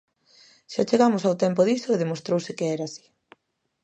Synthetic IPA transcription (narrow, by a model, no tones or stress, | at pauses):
ʃat͡ʃeɣamʊsawt̪ɛmpoðisoeðemost̪ɾowsɪkeɛɾasi̥